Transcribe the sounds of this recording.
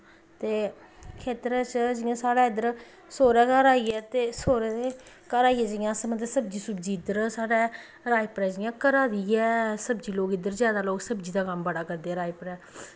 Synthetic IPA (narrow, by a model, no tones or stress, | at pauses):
t̪eː | kʰeːt̪əɾat͡ʃd͡ʒɪjãːsaːɽaːɪd̪əɾ | soːɾɛːkəɾaːiːɛːt̪eːsoːɾɛeː | kəɾaːiːɛːd͡ʒɪjãːsəməd̪esəb̚d͡ʒiːsəbd͡ʒiːɪd̪əɾsaːɽɛː | ɾaːipəɾɛːd͡ʒɪjãːkəɾaːd̪iɛːsəbd͡ʒiːloːkɪd̪əɾzjaːd̪aːloːɡsəbd͡ʒiːd̪aːkəmbəɽaːkəɾd̪eːɛːɾaːipɾɛː